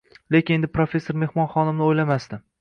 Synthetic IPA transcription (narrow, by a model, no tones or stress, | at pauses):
le̞kʲɪne̞nd̪ɪpɾofʲe̞sːoɾme̞hmɒnχɒnɪmnɪojlamast̪ɪ